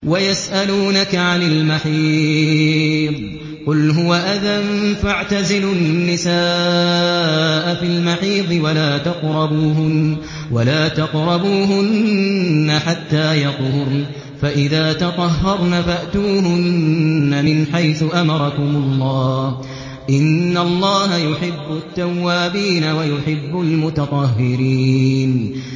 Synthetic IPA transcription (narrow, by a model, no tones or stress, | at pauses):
wajasʔaluːnakaʕanɪlmaħiː | ðˤ | qʊlɦʊwaʔaðanfaʕt̪azɪlʊnnːɪsaː | ʔafilmaħiːðˤɨwalaːt̪ɑqɾˤɑbuːɦʊn | walaːt̪ɑqɾˤɑbuːɦʊnː | aħat̪ːaːjɑq̪ˤʊɾ | faʔɪðaːt̪ɑt̪ˤɑɦːɑɾˤnafaʔt̪uːhʊnːamɪnħajθʊʔamɑɾˤɑkʊmʊlˤːɑː | ʔɪnːalˤːɑːɦajʊħɪbːʊt̪ːawːaːbiːnawajʊħɪbːʊlmʊt̪ɑt̪ˤɑɦːɪɾiːn